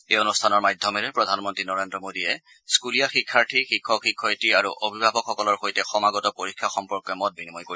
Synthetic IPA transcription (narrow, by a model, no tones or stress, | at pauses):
ejonustʰanɔɹmajdʱːɔmɛɹɛpɹɔdʱanmɔntɹinɔɹendɹɔmodiɛ | skulijaxikʰːaɹtʰixikʰːɔkxikʰːɔjtiaɹṵʔobʱibʱabɔkxɔkɔlɔɹxojtɛxɔmaɡɔtɔpoɹikʰːaxɔmpɔɹkːɔmɔt̚binimɔjkoi